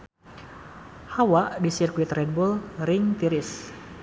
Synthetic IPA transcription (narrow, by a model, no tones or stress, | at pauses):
hawaʔdisirkwit̪rɛd̪̚bulrɪŋt̪iɾis